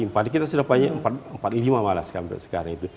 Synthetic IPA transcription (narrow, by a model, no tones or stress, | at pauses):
impadak̬it̪asudahpaɲaəmpat̪̚əmpat̪̚limamalaskampɛ̰ʔsə̥kaɾaŋit̪u